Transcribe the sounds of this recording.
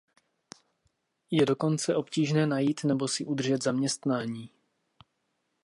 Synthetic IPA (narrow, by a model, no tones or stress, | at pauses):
jɛdo̞ko̞nt͡sɛʔo̞pciːʒnɛːnajiːt̪nɛbo̞sɪʔud̪rʒɛd̪zamɲɛst̪naːɲiː